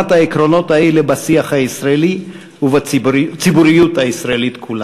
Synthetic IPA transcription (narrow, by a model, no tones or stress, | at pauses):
athaekɾo̞no̞thaelebasiaχhaisʁaeli | uvat͡sibuɾijutaisʁaelit̪kʰula